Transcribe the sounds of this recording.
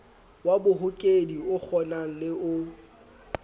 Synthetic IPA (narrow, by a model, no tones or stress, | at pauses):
wabʊɦʊkʼediʊk͡xʰɔnaŋ̩lɪʔʊ